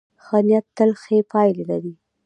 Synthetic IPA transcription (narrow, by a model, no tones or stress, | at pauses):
xɑnjat̪ːəlxepʰɑjlelaɾi